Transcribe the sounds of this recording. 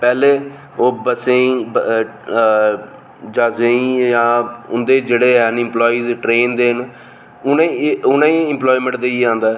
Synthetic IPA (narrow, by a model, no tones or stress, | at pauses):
pɛːleː | oːbəsẽĩː | d͡ʒaːzẽːĩjãːʊnd̪eːd͡ʒeːɽeːɦɛnɪ̃mplɔːiːzʈɾeːnd̪eːɦn | ʊnãʊnãːĩːɪ̃mplɔːimə̃ɳʈd̪eːiːãːnd̪aɛː